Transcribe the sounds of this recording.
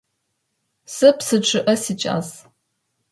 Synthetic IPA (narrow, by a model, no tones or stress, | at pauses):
sɨpsɨʈ͡ʂʰʼɨʔɐsit͡ʃʼa̰ːz